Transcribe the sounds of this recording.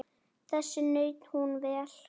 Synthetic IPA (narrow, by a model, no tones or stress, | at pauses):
θɛsːɪnœːɥt̪n̥hunvɛːl̥